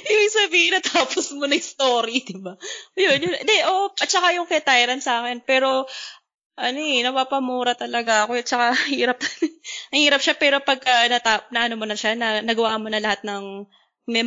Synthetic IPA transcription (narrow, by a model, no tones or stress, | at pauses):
ʔiːbɪŋsɐbiːhɪnɐt̪ʰaːposmonɐŋɪst̪oːɾid̪ɪbaɐjonjʊnʔɛnd̪ɛʔoːʔoʔɐt̪t͡ʃɐkajʊŋkɛt̪ajɾɐnsaːkɛnpɛːɾo̞ | ʔɐnoʔɛnɐpapɐmuːɾɐt̪ɐlɐɡaɐkoɐt̪̚t͡ʃɐkahiːɾɐp̚nɐhiːɾɐp̚ʃapɛːɾo̞pɐɡ̚kɐnɐt̪anɐʔɐnomonɐʃanɐnɐɡɐwaːʔɐmonɐlɐhat̪̚nɐŋ | mɛ